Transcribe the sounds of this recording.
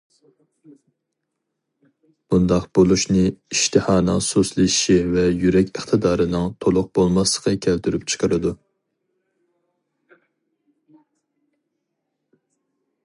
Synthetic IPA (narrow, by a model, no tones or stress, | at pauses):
b̥und̪ɑqb̥olˠuʃnɨiʃt̪ʰɨhɑːnɨsoslˠɪiʃivɛjyɾɛkʲʰəχt̪ʰɨd̪ɑːɾɨnɨŋt̪ʰolˠʊq̚b̥olˠmɑslˠə̥qʰəkʲʰælt̪ʰyɾypt͡ʃʰə̥qʰəɾɨd̪u